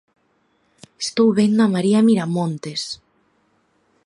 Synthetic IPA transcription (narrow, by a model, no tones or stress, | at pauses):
est̪owβend̪oamaɾiamiɾamõnt̪es